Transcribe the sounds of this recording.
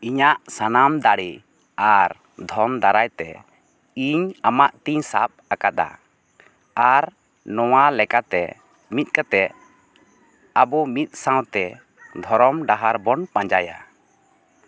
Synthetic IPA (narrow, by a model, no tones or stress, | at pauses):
iɲaʔsanamd̪aɽi | aɾ | d̪ʱɔmd̪aɾajt̪ɛ | iɲamaʔt̪iɲsap̚akad̪a̰ | aɾ | nɔwalɛkat̪ɛ̰ | mit̪̚ˀkat̪ɛ | abɔmit̪̚ˀsãwt̪ɛ | d̪ʱɔɾɔmɖaɦaɾbɔnpãɲd͡ʒaja̰